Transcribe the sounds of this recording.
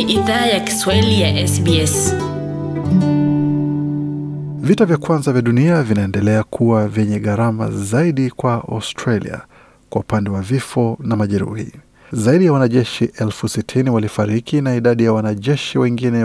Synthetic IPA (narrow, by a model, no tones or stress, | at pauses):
ʔiðaːjaki̥swailijaʔɛsbiɛs | vitavjakwanzavjaɗuniavinaɛndɛlɛakʰuwavɛɲɛɠaɾama̰zaiɗikwaʔa̰stɾalḭa̰ | kwaupandɛwavifɔnamaʄɛɾṵhḭ | zaiɗijawanaʄɛʃiʔɛlfusitʰiniwalifaɾikinaiɗaɗijawanaʄɛʃiwɛŋɡinɛ